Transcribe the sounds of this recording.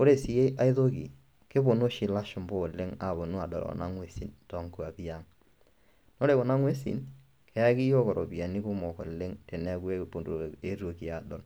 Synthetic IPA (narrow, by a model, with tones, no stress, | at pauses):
o˦ɾe˨si˨je˦ʔa˦ɪ˦ðo˦kḭ˨ | ke˦bo˨no˦ʃi˨la˦ʃʊ˨mbo˦˨le˦ŋa̰˨bo˨nu˦a˨dɔ̰˨lɔ̰˨na̰˦ŋwe˦si˨ntɔ˨ŋku˨a˨pi˦a˦ŋ | no˦ɾe˨ko˨na˦ŋwe˦sḭ˨n | kʰɛ˨˦a˦ki˦jɔ˦kɔ˨ɾʔɔ̰˨bi˨a˨ni˦kʊ˦mɔ˨kɔ̰˨le˦ŋte˨nɛ˦ku˦e˦po˨do˨e˦ɾwo˨ki˨a˨dɔ˨l